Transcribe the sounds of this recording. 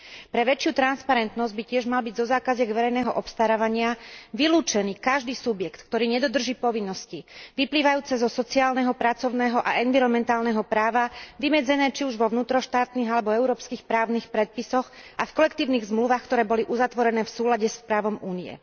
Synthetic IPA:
pɾɛʋɛt͡ʃjuːt̪ɾanspaɾɛnt̪nɔzɟbicɪɛʒmalbiɟzɔzaːkazɪaɡʋɛɾɛjnɛːɦɔʔɔpst̪aɾaːʋaɲɪaʋiluːt͡ʃɛniːkaʒd̪iːsubjɛkt̪kt̪ɔɾiːɲɛd̪ɔd̪r̩ʒiːpɔʋinːɔsciʋipliːʋajuːt͡sɛzɔsɔt͡siaːlnɛɦɔpɾat͡sɔʊnɛːɦɔʔaʔɛnʋiɾɔmɛnt̪aːlnɛɦɔpɾaːʋaʋimɛd͡zɛnɛːt͡ʃiuʒʋɔʋnuːt̪ɾɔʃt̪aːt̪niːɣalɛbɔɛʊɾɔːpskiːxpɾaːʊniːxpɾɛt̪̚pisɔxʔafkɔlɛkt̪iːʊniːɣzmluʋaːxkt̪ɔɾɛːbɔliʔuzat̪ʋɔɾɛnɛːfsuːlaɟɛspɾaːʋɔmuːniɛ̰

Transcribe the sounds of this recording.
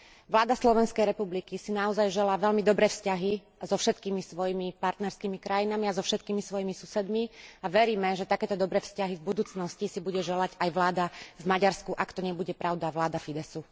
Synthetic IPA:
ʋlaːd̪aslɔʋɛnskɛjɾɛpublikisinaɔzajʒɛlaːʋɛʎmid̪ɔbɾɛːfscaɦi | zɔfʃɛt̪kiːmisʋɔjimipaɾt̪nɛɾskiːmikɾajinamiazɔfʃɛt̪̚kiːmisʋɔjimisusɛd̪miaʋɛɾiːmɛʒɛt̪akɛːt̪ɔd̪ɔbɾɛːfscaɦivbud̪uːt͡snɔscisibuɟɛʒɛlaɟajʋlaːd̪avmaɟaɾskuʔakt̪ɔɲɛbuɟɛpɾʔaʊd̪aʋlaːd̪afid̪ɛsu

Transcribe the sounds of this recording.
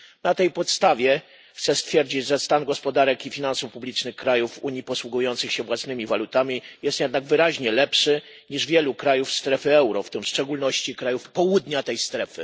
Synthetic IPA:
nat̪ɛjpɔt̪st̪avʲjɛ | xt̪sɛst̪fʲjɛɾd͡ʑid͡ʑʐɛst̪anɡɔspɔd̪aɾɛkifʲinansufpublʲit͡ʂnɘxkɾajufuɲipɔswuɡujɔnt̪sɘxɕɛvwasnɘmʲivalut̪amʲijɛst̪jɛd̪naɡvɘɾaʑɲɛlɛpʂɘ | ɲiʐvʲjɛlukɾajufst̪ɾɛfɘɛwɾɔft̪ɪmfʂt͡ʂɛɡulnɔɕt͡ɕikɾajufpɔwud̪ɲat̪ɛjst̪ɾɛfɘ̰

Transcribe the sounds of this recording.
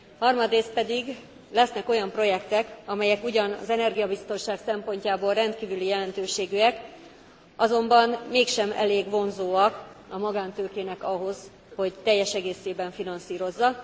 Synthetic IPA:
hɒrmɒd̪reːst̪̚pɛd̪iɡ | lɛsnɛko̞jɒmpro̞jɛkt̪ɛkɒmɛjɛkuɟɒnɒ̰zɛnɛrɡijɒbist̪o̞nʃaːksɛmpo̞ɲcaːboːlrɛnt̪kiːvylijɛlɛnt̪øːʃeːɡyɛk | ʔɒzo̞mbɒnmeːkʃɛmɛ̰leːɡʋo̞nzoːɒk | ɒmɒɡaːnt̪øːkeːnɛkɒɦo̞z | ho̞ct̪ɛjːɛʃɛɡeːseːbɛɱfinɒnsiːɾo̞zːɒ

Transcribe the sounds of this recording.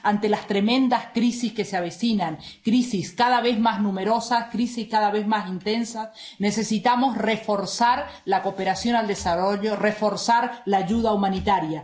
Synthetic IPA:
ant̪e̞last̪ɾe̞mẽ̞nd̪askɾisiske̞seaβesinaŋkɾisiskaðaβe̞zmaznũme̞ɾo̞saskɾisiskaðaβezmasint̪e̞nsasne̞se̞sit̪amo̞sre̞fo̞ɾsaɾlako̞pe̞ɾasjo̞nald̪esaroʎorefo̞ɾsaɾlaːʝuð̞aumanit̪aɾja

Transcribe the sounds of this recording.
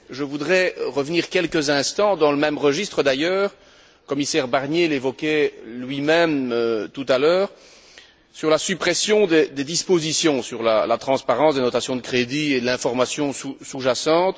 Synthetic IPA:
ʒəvud̪ʁɛʁəvniːʁkʲɛlkəzɛ̃st̪ɑ̃d̪ɑ̃ləmɛmʁəʒist̪χəd̪ajœːʁ | kɔmisɛʁbaʁnjelevɔkʲɛlɥimɛmøt̪ut̪alœːʁ | syʁlasypχɛsjɔ̃d̪ed̪ed̪ispozisjɔ̃syʁla̰lat̪χɑ̃spaʁɑ̃sd̪enɔt̪asjɔ̃d̪əkχed̪ied̪əlɛ̃fɔʁmasjɔ̃susuʒasɑ̃t̪

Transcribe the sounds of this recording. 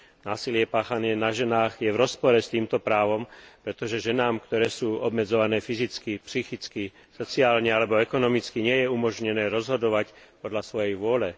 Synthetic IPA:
naːsilɪɛpaːxanɪɛnaʒɛnaːɣjɛʋɾɔspɔɾɛst̪iːmt̪ɔpɾaːʋɔmpɾɛt̪ɔʒɛʒɛnaːmkt̪ɔɾɛːsuːɔbmɛd͡zɔʋanɛːfizit͡skipsixit͡ski | sɔt͡siaːlɲɛalɛbɔɛkɔnɔmit͡skiɲɪɛjɛumɔʒɲɛnɛːɾɔzɦɔd̪ɔʋac | pɔd̪lasʋɔjɛjʋʊɔlɛ

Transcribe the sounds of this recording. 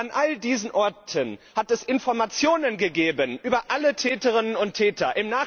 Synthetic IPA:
anʔaldiːzən̩ʔɔɐtʰənhatɛsɪnfɔɐmat͡sjoːnənɡəɡeːbənʔyːbɐʔalətʰɛːtəʁɪnənʊntʰːɛːtɐʔɪmnaː

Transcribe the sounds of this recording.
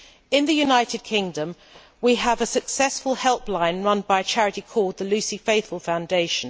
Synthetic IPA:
ɪ̃nðəjʉnaɪtɪd̚kʰɪ̃ŋdə̃m | wiəvəsəksɛsfəlˠhɛlˠplãɪ̃nɹʌ̃nbaɪt͡ʃʰæɹɪtikʰɔːd̪̚ðəlʉˑsifeɪθfəlˠfãʊ̃ndeɪʃə̃n

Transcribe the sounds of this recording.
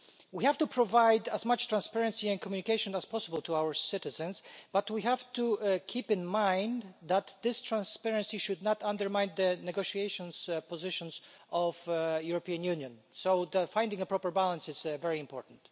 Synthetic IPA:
wihæftupʰɹɔvajd̪æzmat͡ʃt̪ɹãnspɛɹɛ̃nsiɛ̃nkʰɔmjunikeɪʃɔ̃næspʰɔsəbəlˠt̪ʰuawəɹsɪtɪzɛ̃nsb̥at̪wiɦævt̪ukʰipɪ̃nmãj̃nðæt̪d̪ɪstʰɹãnspɛɹɛ̃nsiʃud̪nat̪ãnd̪əɹmãjnd̪d̪ənɛɡoʃiejʃɔ̃nspɔzɪʃɔ̃ns | ʔɔvjuɹɔpiãnjʉnjɔ̃n | soðəfãj̃nd̪ɪ̃ŋəpɹɔpəɹbalãnsɪz̥vɛɹiɪ̃mpʰɔɹtn̩t̪

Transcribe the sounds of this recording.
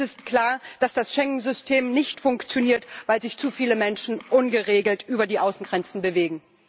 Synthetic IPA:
ɪstkl̥aːɐd̥asd̥asʃɛŋn̩zʏstʰeːmnɪçtfʊŋkt͡sjoniːɐtv̥aɪlzɪçt͡sufiːləmɛnʃn̩ʔʊnɡəʁeːɡl̩tʔyːbɐdiːʔaʊsn̩ɡʁɛnt͡sn̩bəveːɡŋ̩

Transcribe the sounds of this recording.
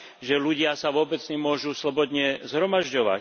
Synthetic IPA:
ʒɛluɟɪasaʋʊɔbɛd͡zɲɛmʊɔʒuslɔbɔd̪ɲɛzɦɾɔmaʒɟɔʋa̰

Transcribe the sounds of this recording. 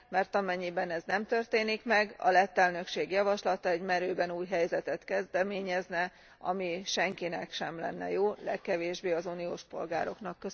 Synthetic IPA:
mɛrt̪ɒmɛɲːibɛnɛznɛmt̪ø̞rt̪eːnikmɛɡɒ̰lɛt̪ːɛlnø̞kʃeːɡjɒvɒʃlɒt̪ɒɛɟmɛɾøːbɛnuːjɦɛjzɛt̪ɛt̪kɛzd̪ɛmeːɲɛznɛ | ɒ̰miʃɛŋkinɛkʃɛmlɛ̰nːɛ̰joːlɛkːɛveːʒbeːɒzunio̰ːʃpo̞̰lɡaːɾo̞knɒkːø

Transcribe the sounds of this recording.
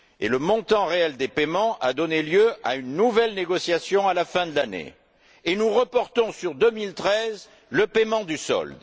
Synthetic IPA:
ḛləmɔ̃t̪ɑ̃ʁeɛld̪epemɑ̃ʔa̰d̪ɔneljøa̰ynnuvɛlneɡɔsjasjɔ̃alafɛ̃d̪əlanḛ | enuʁəpɔʁt̪ɔ̃syʁd̪əmilt̪χɛz | ləpemɑ̃d̪ysɔ̰ld̪

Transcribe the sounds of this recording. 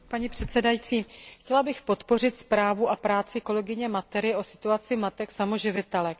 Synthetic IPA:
paɲiːpr̝̥ɛt̪sɛdajit͡siːxcɛlabɪxpo̞t̪po̞r̝ɪt̪spɾaːvuʔapɾaːt͡sɪko̞lɛɡɪɲɛmat̪ɛɾɪʔo̞sɪ̥t̪uat͡sɪmat̪ɛksamo̞ʒɪvɪt̪ɛlɛ

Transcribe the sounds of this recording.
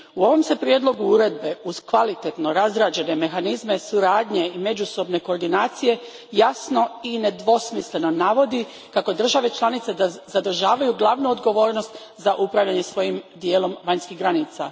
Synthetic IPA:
uo̞ʋo̞mse̞pɾjed̪lˠo̞ɡuuɾe̞d̪̚be̞uz̥kʋalit̪et̪no̞ɾazɾaːd͡ʒe̞ne̞me̞xanizme̞suɾaːd̪ɲeime̞d͡ʒuso̞bne̞koːɾd̪inaːt̪sije̞ | jasno̞ine̞d̪ʋo̞smisle̞no̞naʋo̞d̪i | kako̞d̪r̩ʒaʋe̞t͡ʃlˠanit̪sed̪azad̪r̩ʒaːʋajuɡlˠaʋnuod̪ɡo̞ʋo̞ːɾnost̪ | zaʔupɾaːʋʎaɲe̞sʋo̞jimd̪jeːlo̞mʋaɲskiɦɡɾaniːt̪sa̰

